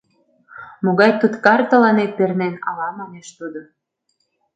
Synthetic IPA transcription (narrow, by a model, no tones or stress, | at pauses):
moɣɑjt̪ut̪kɑrt̪ə̆lɑnet̪̚pernenɑ̰lɑmɑmeʃt̪ud̪o